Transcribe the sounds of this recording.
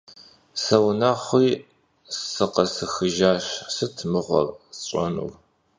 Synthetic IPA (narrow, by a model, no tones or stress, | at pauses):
sɐwnaːχʷiː | sɨqɐsɨxɨʒaːɕsɨtʰmɨʁʷɔ̰rt͡sʼɐnṵw